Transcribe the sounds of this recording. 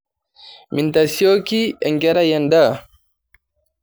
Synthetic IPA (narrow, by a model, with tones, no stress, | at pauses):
mi˨nt̪asio˦ki˦ɛ˨ŋɡɛ˦ɾa˦jɛnd̪a